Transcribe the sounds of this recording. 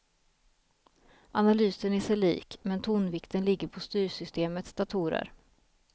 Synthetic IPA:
ʔanalyːsənæʂɛlḭːkmɛnt̪ʰuːnvɪkt̪ənlɪɡːəɾpʰɔst̪yːɾsʏst̪eːmət̪sd̪̥at̪ʰuːɾə̰ɾ

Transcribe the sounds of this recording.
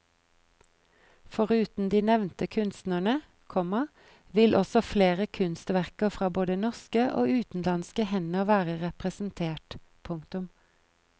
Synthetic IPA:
fɔʁʉːt̪n̩d̪iːnɛʋnt̪əkʰʉnst̪nəɳə | kʰɔmɑ | ʋɪlʔɔsɔfleːʁəkʰʉnst̪ʋæʁkəfʁɑːboːd̪ənɔʁskəʔo̰ːʉːt̪n̩lɑnskəhɛnəʋæːʁəʁɛpʁɛsn̩t̪ʰeːʈpʰʊŋkt̪ʉm

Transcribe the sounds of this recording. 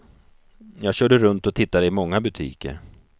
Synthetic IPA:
jɑːɡɕœːɖəɾɵnt̪ɔt̪ʰɪt̪ːad̪əɪmɔŋːabɵt̪ʰḭːkə̰ɾ

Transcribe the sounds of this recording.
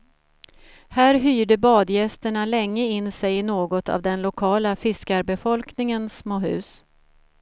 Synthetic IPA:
hæːɾɦyːɖəbɑːd̪jɛst̪əɳalɛŋːəɪnːsɛjɪnoːɡɔt̪ʰa̰vd̪ɛnlʊkʰɑːlafɪskaɾbɛfɔlknɪŋənsmoːɦʉ̟̰ːs

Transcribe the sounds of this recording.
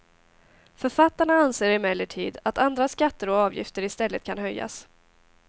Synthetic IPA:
fœɾfat̪ːaɳaanseːɾɪmɛlːəʈʰiːd̪at̪and̪ɾaskat̪ːəɾɔɑːvjɪ̰ft̪əɾɪst̪ɛlːət̪̚kʰanɦœjːa̰s

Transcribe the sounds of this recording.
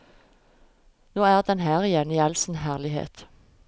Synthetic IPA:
noːæːʁd̪ɛnɦæːʁɪjɛniːɑlsn̩ɦæːʁlɪhḛːt̪

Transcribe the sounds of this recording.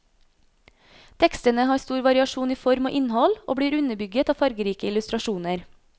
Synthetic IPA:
t̪ʰɛkst̪ənəhɑːɾst̪uːɾʋɑɾɪɑʃuːniːfɔɾmo̰ːʔɪnhɔlʔo̰ːbɽiːɾʉnəbʏɡət̪ɑːfɑɾɡəɾiːkəɪlʉst̪ɾɑʃuːnəɾ

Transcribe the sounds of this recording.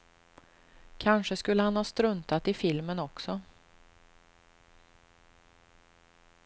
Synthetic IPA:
kʰanʂəskɵlːəhanhɑːst̪ɾɵnt̪at̪ɪfɪlmənɔksɔ

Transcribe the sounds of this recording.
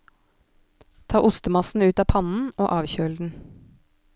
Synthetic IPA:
t̪ʰɑːʔʊst̪əmɑsn̩ʉːt̪ɑːpʰɑnn̩oːʔɑːʋçøːld̪n̩

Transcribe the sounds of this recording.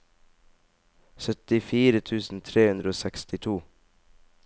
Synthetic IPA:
sœt̪ɪfiːɾət̪ʰʉːsn̩t̪ʰɾeːhʉnd̪ɾəoːsɛkst̪ɪt̪ʰuː

